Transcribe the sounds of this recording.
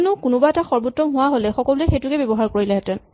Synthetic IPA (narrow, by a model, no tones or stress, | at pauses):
nʊkʊnʊbaɛtaxɔɹbɔtːɹɔmɦʊwaɦolɛxɔkɔluɛxejtʊkɛbɔbɔɦaɹkoɹilɛɦɛtɛn